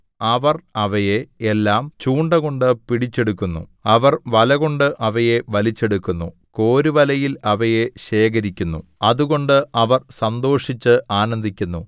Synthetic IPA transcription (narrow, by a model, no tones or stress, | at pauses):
ɐʋɐrɐʋɐjeelːaːmt͡ɕuːɳɖɐɣo̞ɳɖɨpiɽit͡ɕːe̞ɽukːunːṵɐʋɐrʋɐlɐɣo̞ɳɖɨʔɐʋɐje̞ʋɐlit͡ɕːe̞ɽukːunːṵ | ko̞ːɾiʋɐlɐjilɐʋɐje̞ɕe̞ːk̬ɐɾikʲːunːṵɐðuɣo̞ɳɖɨɐʋɐrsɐnd̪o̞ːʂit͡ɕːɨʔaːnɐnd̪ʱikʲːunːu